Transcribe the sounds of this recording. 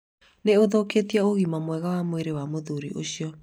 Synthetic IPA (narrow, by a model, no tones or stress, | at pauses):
neoðoketiaoɣimamwɛɣawamoeɾewamoðuɾḭʔo̰ɕiɔ